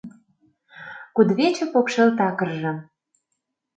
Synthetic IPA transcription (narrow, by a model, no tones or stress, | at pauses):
kud̪βet͡ɕĕpokʃelt̪ɑkə̆rʒɤ̆